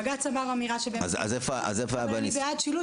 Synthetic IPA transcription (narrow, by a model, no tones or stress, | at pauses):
ɡat͡samaʁamiʁaʃebeaza̰zefoa̰zefoabanibead̪ʃilu